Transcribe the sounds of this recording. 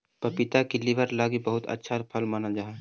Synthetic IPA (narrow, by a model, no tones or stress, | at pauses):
pɐpɪt̪akiliʋəɾlaːɡibɐɦʊt̪ɐ̰tːʃʰapʰɐlmaːnad͡ʒaːɦe